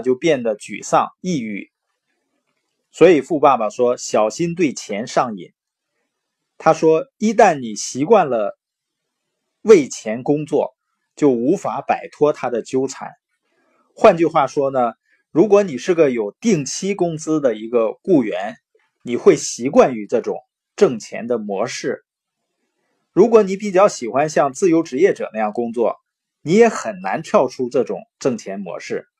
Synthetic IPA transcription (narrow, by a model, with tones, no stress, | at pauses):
t͡ɕjo˥˧ʊpjɛ˥˩nd̪ə˩t͡ɕy̰˨˩sɑ̰˥˧ŋi˥˧y̰˥˩ | swɔ˧˥i˨˩fu˥˧pa˥˩bə˨˩ʂwɔ˥ɕjɑ˨˩ʊɕi˥nt̪we˥˩ɪt͡ɕʰjɛ˧˥nʂɑ˥˩ŋḭ˨˩˦n | t̪ʰa˥ʂwɔ˥i˥t̪̬a˥˩nni˨˩ɕi˧˥kwa˥˩nlə˩ | we˥˩ɪt͡ɕʰjɛ˧˥nkʊ˥ŋt͡swɔ̰˥˩ | t͡ɕjo˥˩ʊu˧˥fa˧˥pa˨˩ɪt̪ʰwɔ˥t̪ʰa˥d̪ə˨t͡ɕjo˥ʊt͡sʰa̰˧˥n | xwa˥˧nt͡ɕy˥˧xwa˥˩ʂwɔ˥nə˨ | ɻu˧˥k̬wɔ˧˥ni˨˩ʂɻ̩˥˩ɡə˩jo˨˩ʊt̪i˥˩ŋt͡ɕʰi˥kʊ˥ŋsɹ̩˥d̪ə˨i˧˥ɡə˧ku˥˩ɥɛ˧˥n | ni˨˩xwe˥˩ɪɕi˧˥kwa˥˩ny˧˥ʈ͡ʂɤ˥˩ʈ͡ʂʊ̰˨˩˦ŋ | ʈ͡ʂɤ˥˩ŋt͡ɕʰjɛ̰˧˥nd̪ə˧˨mwɔ̰˧˥ʂɻ̩˥˩ | ɻu˧˥kwɔ˧˥ni˧˥p̬i˨˩t͡ɕjɑ˥˩ʊɕi˨˩xwa˥nɕjɑ˥˧ŋt͡sɹ̩˥˩jo˧˥ʊʈ͡ʂɻ̩˧˥jɛ˥˩ʈ͡ʂɤ˨˩na˥˧jɑ˥˩ŋkʊ˥ŋt͡swɔ̰˥˩ | ni˧˥jɛ˧˥xə˨˩nna̰˧˥nt̪ʰjɑ˥˩ʊʈ͡ʂʰu˥ʈ͡ʂɤ˥˩ʈ͡ʂʊ̰˨˩ŋʈ͡ʂɤ˥˩ŋt͡ɕʰjɛ˧˥nmwɔ̰˧˥ʂɻ̩˥˩